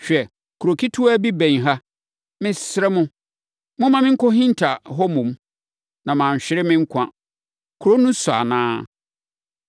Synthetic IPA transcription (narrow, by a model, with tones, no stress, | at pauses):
ɕᶣɛ˨ | kʰu˨ɾo˨kʰi˦tʰu˦æ˦bi˦bɛ̃˨ɲɦa˦ | mɪ̃˦sɪ˦ɾɛ˦mʊ̃˦ | mʊ̃˦mã˨mɪ̃˦ŋ̩˦kʰɔ˦ɦĩ˦n˦tʰa˨ɦɔ˦mũ˨m | nã˨mã˨ɕᶣɪ˦ɾɪ˦mɪ̃˦ŋ̩˦kʷʰã˦ | kʰu˨ɾo˦nũ˦sʊ˨a̰˨nãː˦